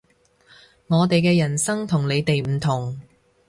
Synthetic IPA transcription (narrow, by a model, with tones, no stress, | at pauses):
ŋɔː˨˧t̪e˨jkɛː˧jɐ˨˩nsɐ˥ŋt̪ʰʊ˨˩ŋle˨˧jt̪e˨jm̩˨˩t̪ʰʊ˨˩ŋ